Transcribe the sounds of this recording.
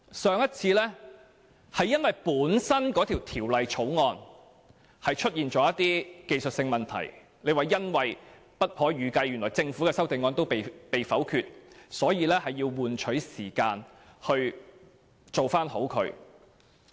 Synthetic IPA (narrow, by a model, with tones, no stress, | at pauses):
sœː˨˧ŋjɐ˥t̚t͡sʰiː˧lɛː˥ | hɐ˨jːɐ˥nwɐ˨jpuː˨˥nsɐ˥nkɔː˨˥t̪ʰiː˨˩wt̪ʰiː˨˩wlɐ˨jt͡ʃʰo˨˥wŋɔː˧n | hɐ˨jt͡ʃʰɵ˥t̚jiː˨nt͡ʃɔː˨˥jɐ˥t̪iː˥ke˧jsɵ˨t̚sɪ˧ŋmɐ˨nt̪ʰɐ̰˨˩j | ne˨˧jwaː˨˩jɐ˥nwɐ˨j | pɐ˥t̚hɔː˨˥jyː˨˧kɐ˧jːyː˨˩nlɔː˨˩jt͡sɪ˧ŋfu˨˥kɛː˧sɐ˥wt̪e˨ŋɔː˧nt̪o˥wpe˨jpe˨jfɐ˨˥wkʰyː˧t̚sɔː˨˥jiː˧lɛː˥hɐ˨jːiː˧wːuː˨nt͡ʃʰɵ˨˥ɥsiː˨˩kaː˧n | hɵ˧ɥ | t͡so˨wfaː˥nho˨˥wkʰɵ̰˨˧ɥ